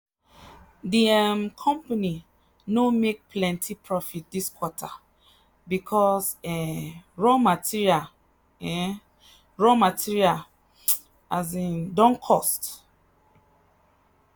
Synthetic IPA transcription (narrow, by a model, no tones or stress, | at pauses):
diɛmkʰɔ̃mpani | nomek̚plɛ̃ntʰipʰɹɔfit̚diskwɔtʰa | bikʰɔsɛɹɔmatʰiɹial | ɛ | ɹɔmatʰiɹial | azĩndɔ̃ŋkʰɔst